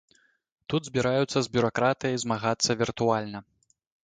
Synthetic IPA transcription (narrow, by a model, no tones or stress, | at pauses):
t̪ud̪zʲbʲiɾajut̪sːɐzʲbʲuɾakɾat̪ɨjɐjzmaɣat̪sːɐvʲirt̪ualʲnɐ